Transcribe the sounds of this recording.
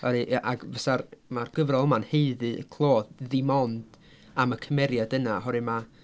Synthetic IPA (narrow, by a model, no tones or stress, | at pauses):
ɔɾɨʔaʔaɡvɛsarmarɡ̥əvrɔlˠəmanheɨðɨkʰlˠoːððɪmɔnd̥ | aməkʰəmɛɾjadənaɦɔɾɨma